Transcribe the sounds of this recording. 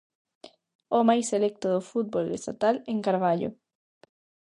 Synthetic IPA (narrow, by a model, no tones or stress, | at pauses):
omajselɛk̚t̪oðofut̪̚bolḛst̪at̪aleŋkaɾβaʎo̰